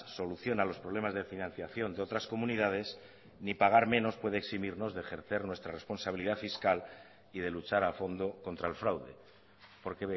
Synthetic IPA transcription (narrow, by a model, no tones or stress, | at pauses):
so̞luθjo̞nalo̞spɾo̞β̞le̞mazðe̞finãn̟θjaθjo̞nd̪eo̞t̪ɾasko̞mũniðað̞e̞s | nipaɣ̞aɾmẽ̞no̞spwe̞ð̞eeksimiɾno̞zðe̞ːxe̞ɾθe̞ɾnwe̞st̪ɾare̞spo̞nsaβ̞iliðafiskal | iðe̞lut͡ʃaɾafo̞nd̪o̞ko̞nt̪ɾaelfɾawðe̞̰ | po̞ɾkeβe